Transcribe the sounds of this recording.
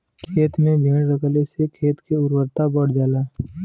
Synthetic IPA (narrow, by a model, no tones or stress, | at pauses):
kʰeːt̪nebʱẽːɽɾəkəlesekʰeːt̪keʊɾwəɾt̪abəɽd͡ʒaːlaː